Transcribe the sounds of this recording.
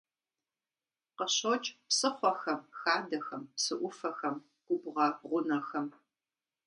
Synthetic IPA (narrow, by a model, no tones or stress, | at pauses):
qəɕot͡ʃʼpsɨχʷɔxɐmxaːdɐxɐmpsɨʔʷʊfɐxɐm | ɡ̥ʷʊbʁɐʁʷʊnɐxɐm